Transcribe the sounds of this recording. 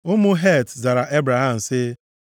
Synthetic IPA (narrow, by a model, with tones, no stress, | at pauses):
ʊ˦mʊ˦ɦe˦˨tza˨ɾa˨ʔe˦bɾa˨ɦa˦˨m̩˨sɪ˦